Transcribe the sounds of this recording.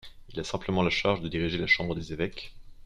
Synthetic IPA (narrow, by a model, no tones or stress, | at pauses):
ilasɛ̃pləmɑ̃laʃaʁʒd̪əd̪iʁiʒelaʃɑ̃bʁəd̪ezevɛk